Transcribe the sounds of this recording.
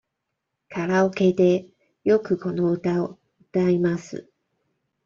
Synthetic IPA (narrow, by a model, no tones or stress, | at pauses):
kʰaɾaoke̞d̪e̞ | jo̞kɯ̟ko̞no̞ɯ̟t̪ao | ɯ̟t̪aimasɨ̰